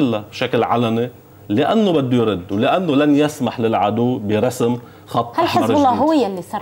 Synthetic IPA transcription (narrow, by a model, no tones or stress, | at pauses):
ɪlːabʃaklʕa̰lani | lɪʔanːobad̪ːʊjɾɪd̪ːwlɪʔanːolanjasmaħlɪlʕad̪uːbɪɾˤɑsm | xɑt̪ˤːhalħɪɾˤllːɑːɦʊwjalːisɑ